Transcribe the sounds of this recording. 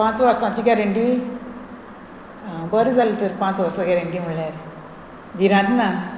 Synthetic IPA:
pãt͡sʋəɾsãt͡ɕiɡɛɾeɳʈi | bəɾid͡zʱalit̪əɾpãt͡sʋəɾsaɡɛɾeɳʈim̤əɭjaɾ | ɡiɾãt̪na

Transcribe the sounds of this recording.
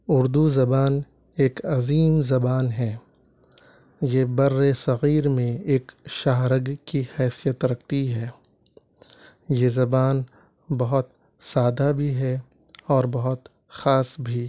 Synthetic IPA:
ʊɾd̪uzɐbaːn | eːkɐziːmzɐbaːnɦɛː | jebɐɾːesɐɣiːɾmẽeːkʃaːɦɾəɡkihɛːsijət̪ɾɐk̚ʰt̪iɦɛː | jezɐbaːn | bɐɦʊt̪̚ | saːd̪abʱiɦɛ | ɔːɾbɐɦʊt̪ | xaːsbʱiː

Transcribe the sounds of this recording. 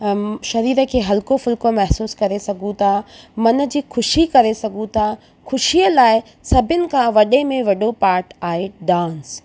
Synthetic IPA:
ʃɐɾiːɾə̆kʰeːɦɐlkofʊlkomɐɦsuːskɐɾesɐɡʱũt̪ʰamɐnə̆d͡ʑiːxʰʊʃikɐɾesɐɡʱũt̪ʰa | xʰʊʃiəlaːɪ | sɐbʱɪʊnɪ̆kʰãʋɐɗemẽʋɐɗopaːɾʈaːɦeɖãːns

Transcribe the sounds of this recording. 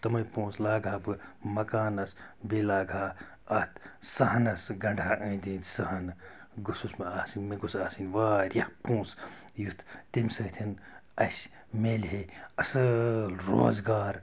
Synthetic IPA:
t̪ɐmɐjpũːslaːɡʱaːbɨmɐkaːnɐsbelaːɡʱaː | ɐt̪ʰsɐɦɐnɐsɡɐɳɖʱaːʔɐ̃id̪ĩːt̪sɐɦɐnɡususmɐaːsinʲmeɡusaːsinʲʋaːɾʲjɐhpũːs | jut̪ʰt̪emʲsɐt̪ʰinɐsʲ | meːlɦeɐsɐlɾo̰ːzɡaːɾ

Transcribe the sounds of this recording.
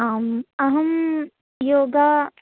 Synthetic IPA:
aːmɐɦɐm | joːɡaː

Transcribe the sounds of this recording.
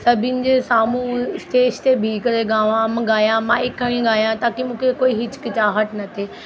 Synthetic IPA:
sɐbʱɪnɪ̆d͡ʑeːsaːmũsʈeːʃt̪ebʱiːkɐɾeɠaːʋãmɡaːjãmaːɪkːɐɽ̃ĩɡaːjãt̪aːkimũːkʰekoːiɦɪt͡ɕkɪt͡ɕaːɦəʈnɐt̪ʰeː

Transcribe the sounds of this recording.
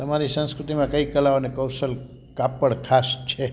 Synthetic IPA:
t̪əmaɾisə̃nskɾut̪imãkəikəlaonekəwsəl | kapəɽkʰast͡ʃʰe

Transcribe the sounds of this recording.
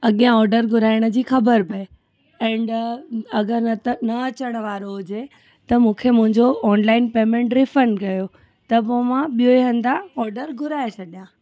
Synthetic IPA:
ɐɠijãɔːɾɖəɾɡʱʊɾaːɪɽ̃ə̆d͡ʑiːxɐbəɾpɐe | ɛ̃ːɳɖɐɡəɾnɐɐt͡ɕəɽ̃ə̆ʋaːɾoɦʊd͡ʑe | t̪ɐmũːkʰemʊ̃ɦɪ̃ɲd͡ʑoɔːnlaːɪnpeːmẽːɳʈɾɪfəɳɖkɐjo | t̪ɐpomãɓijoeɦɐ̃nd̪aɔːɾɖəɾɡʱʊɾaːesʰɐɗjã

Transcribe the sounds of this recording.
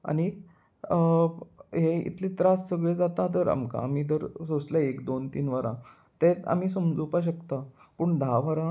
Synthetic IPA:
a̰ñi | ɦeḭt̪ʰlĩːt̪ɾassəɡɭẽd͡zat̪at̪əɾa̰mka̰amiːd̪əɾsoslaekd̪ont̪iːnʋəɾã̰ | t̪ea̰m̤iːsəmd͡zupaɕ̬əkt̪apuːɳd̪ʱaʋəɾã

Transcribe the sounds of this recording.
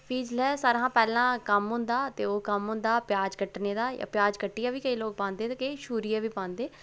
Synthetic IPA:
pʰiːd͡ʒlɛːsaːɾɦãːpɛːlãːkəmɦʊ̃nd̪aːt̪eːoːkəmɦʊ̃nd̪aːpjaːd͡ʒkəʈneːd̪aːja̰ːpjaːd͡ʒkəʈːijaːʋiːkəiːloːɡ̚pãːnd̪eːt̪ekeʃuːɾijaːʋiːpãːnd̪eː

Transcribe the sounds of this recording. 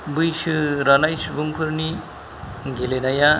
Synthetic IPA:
bɯjsɯɾʌnajsubuŋpʰuɾni | ɡʱelenʌja

